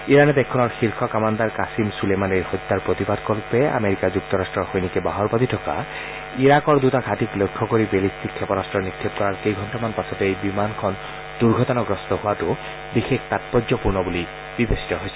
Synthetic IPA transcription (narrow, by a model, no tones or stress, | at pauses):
iɹanɛtɛkʰːɔnɔɹxilkʰɔkamand̪aɹkasimsulemaniɹhɔt̪ːaɹpɹot̪ibadkɔlpɛa̰meɹikazuk̚tɔɹastɹɔɹxojnikɛbaɦɔɹpaditʰɔka̰ | iɹakɔɹdutaɡʱatiklojkʰːɔkoɹibelist̪ʰikʰːɛpɔɹastɹɔnit̪ʰːib̚kɔɹaɹkejɡʱɔntɔmanpasɔtɛejbimankʰɔn | duɹɡʱɔtɔnɔɡɹɔstɔɦʊwatʊ | bixektat̚pɔdzɔpuɹnɔbuli | b̥ibesi̥tɔɦojsɛ̥